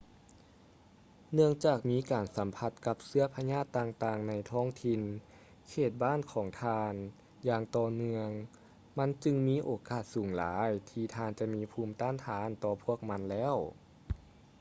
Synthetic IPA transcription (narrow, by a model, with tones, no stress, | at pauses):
nɯ˥˧əŋt͡ɕaː˨˩k̚miː˧˥kaː˨˩nsa˩˦mpʰa˧˥t̪̚ka˧˥p̚sɯ˧˥ɐpʰa˧ɲaː˥˩t̪ːaː˧˩ŋt̪aː˧˩ŋna˧˥jt̪ʰɔː˧˥˩ŋt̪ʰi˧n | kʰeː˧˨˩t̪̚baː˥˨nkʰɔː˩˦ŋt̪ʰaː˧n | jaː˧ŋt̪ɔː˧mɯ˧əŋ | ma˧˥˨nt͡ɕɯ˧ŋmiː˧˥ʔoː˨˩kaː˧˩t̪̚suː˨˩˦ŋlaː˨˦jt̪ʰiː˧t̪ʰaː˧nt͡ɕa˧˦ʔmiː˧˥pʰuː˧˩mt̪aː˧˥˨nt̪ʰaː˨˦˥nt̪ɔː˧pʰu˥˩ək̚ma˧˥nlɛː˧˥˨w